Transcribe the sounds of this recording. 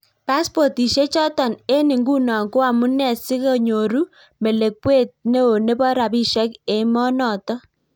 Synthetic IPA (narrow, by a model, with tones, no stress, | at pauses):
pa˦spɔ˨ti˨ʃe˦t͡ʃɔ˦tɔ˨ne˦ni˨ŋɡu˦nɔ˨ŋɡo˦a˨mu˦nɛ˨sɪ˦ko˦˨ɲo˨ɾu˦ | me˨le˨k̚we˦˨t̚ne˦o˨ne˦bɔ˦ɾa˨bi˦ʃɛ˦ke˨mɔ˦nɔ˨tɔ˦